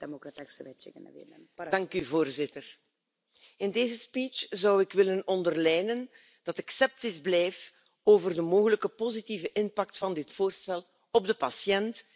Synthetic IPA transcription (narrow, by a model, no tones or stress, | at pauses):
d̥emokɾatɛksəʋɛt͡ʃɪ̰ŋə̰nəʋɪ̰nɛnd̥ɑŋkyvoːrzɪtər | ɪndeːzəspiːt͡ʃzɑwɪkʋɪlənɔndərlɛːjnən | d̥ɑtɛksɛp̚tɪzblɛjf | oːvərdəmoːɣələkəpozitivəʔɪnpɑk̚tfɑndɪtfoːrstɛl | ɔb̚dəpɑsjɛnt